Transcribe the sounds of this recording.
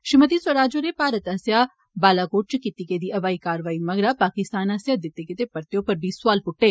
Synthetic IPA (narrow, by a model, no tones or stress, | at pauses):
ʃɪmət̪iːswəɾaːd͡ʒoɾeːpaːɾət̪əsjaː | baːlaːkoːʈ̚t͡ʃkit̪iːked̪iːɐʋaːiːkaːɾʋaːiːmɐɡɾaːpaːkɪst̪aːnɐsjaːd̪ɪt̪ːeket̪epɐɾt̪ejoːpəɾbiːsʊaːlpʊʈːeː